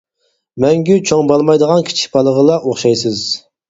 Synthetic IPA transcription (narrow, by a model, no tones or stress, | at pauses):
mɛŋɡʲyt͡ʃʰoŋbɑlˠmɑjd̪əʁɑnkʲʰi̥t͡ʃʰi̥k̚ʲbɑlˠəʁəlˠɑʔoχʃɑjsɨz